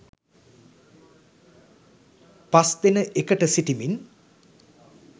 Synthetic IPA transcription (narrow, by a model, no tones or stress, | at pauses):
pasd̪enəʔekəʈəsiʈimin